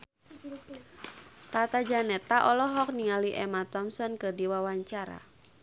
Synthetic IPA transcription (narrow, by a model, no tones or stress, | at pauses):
t̪at̪ad͡ʒanɛt̪aʔɔlɔɦɔk̚niŋaliʔɛmat̪ɔmsɔnkɨrdiwawaɲt͡ʃaɾa̰